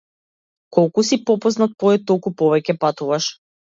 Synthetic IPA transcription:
kɔlˠkusipɔpɔznat̪̚pɔɛt̪ːɔlˠkupɔvɛcɛpat̪uvaʃ

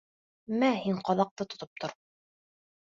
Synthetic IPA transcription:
mæhiɴqɑlˠɑq̚t̪ɤt̪ŏt̪op̚t̪ʰŏɾ

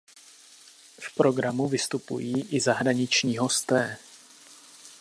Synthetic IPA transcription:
fpɾo̞ɡɾamuvɪst̪upṵjiːʔɪzaɦɾaɲɪt͡ʃɲiːɦo̞st̪ɛː

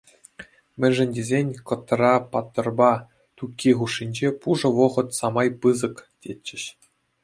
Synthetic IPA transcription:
mʲɘ̆nʲʐɘ̆nʲdʲezʲenʲkɤ̆t̪ːɤ̆rɑpɑt̪ːɤ̆rbɑ | t̪ukʲːiʁuʂːinʲd͡ʑepuʐɤ̆ʋɤ̆ʁɤ̆t̪sɑmɑjpɯzɤ̆ktʲet͡ɕːɘ̆ɕ

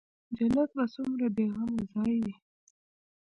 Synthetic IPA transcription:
d͡ʒanat̪̚basʊmɾabeɣamozɑje

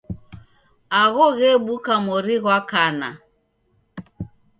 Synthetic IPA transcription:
aɣɔɣɛɓukamɔɾiɣwakana̰

